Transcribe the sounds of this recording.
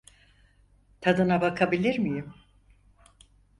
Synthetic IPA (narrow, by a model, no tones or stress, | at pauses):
t̪ʰad̪ɯnabakʰabilʲiɾmijim